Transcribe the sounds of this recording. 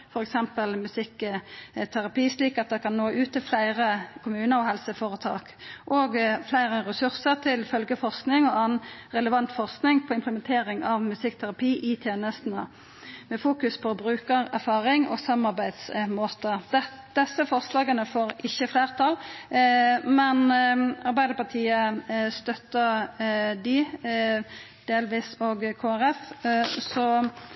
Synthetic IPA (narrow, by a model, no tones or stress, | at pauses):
fɔɾɛksɛmpəlmʉsɪkː | t̪ʰæʁɑpiːsliːkɑt̪̚d̪ɛkʰɑnnoːʔʉːt̪ːɪlflæɪʁəkʰʊmʉːnəɾɔhɛlsəfoːʁət̪ʰɑ̰ːkʔoːɡflæɪʁəʁɛsʉʁsəʁt̪ʰɪlfœlɡəfɔʁsknɪŋɔɑːn̩ʁɛləʋɑnt̪fɔʁsknɪŋpʰɔɪmpləmɛnt̪ʰeːʁɪŋɑʋmʉsɪkːt̪ʰæɾʁɑpʰiːʔɪt̪ʰjeːnəst̪n̩ə | mɛfuːkʉspʰɔbɾʉːkəɾæʁfɑːɾɪŋɔ̰sɑmɑʁbæɪd̪smoːt̪əd̪ | d̪̥ɛsːəfɔʁslɑːɡənəfoːɾɪçːəfleːʁt̪ʰɑl | mɛnɑɾbæɪd̪əpɑʁt̪ʰiːəst̪œt̪ːə | d̪ɪ | d̪̥eːlʋiːsoɡkʰoːæɾɛfsɔ